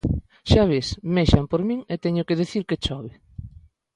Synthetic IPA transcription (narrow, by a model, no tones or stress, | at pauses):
ʃaβesmeʃampoɾmĩŋet̪ɛɲʊkeðeθiɾket͡ʃɔβɪ